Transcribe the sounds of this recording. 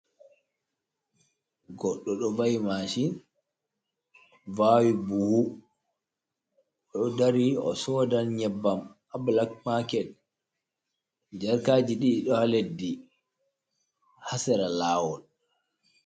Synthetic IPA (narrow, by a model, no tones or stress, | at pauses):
ɡɔɗːɔɗɔvajmaʃin | vawibuhu | ɗɔdaɾiɔ̰sɔdanɲɛbːam | ablakmakɛt̚ | d͡ʒɛɾkaːd͡ʒiɗiɗɔhaledːi | hasɛɾalaːwɔn